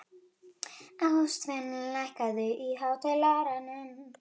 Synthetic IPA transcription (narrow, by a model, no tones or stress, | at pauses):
ast̪vɛnlajhkaðʏʔiɦawt̪ʰalaɾanʏm